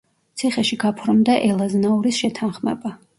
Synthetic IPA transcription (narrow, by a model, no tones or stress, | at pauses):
t̪sʰiχɛʃiɡapʰɾmd̪aʔɛlˠaznauɾisʃɛt̪ʰanχmɛ̰ba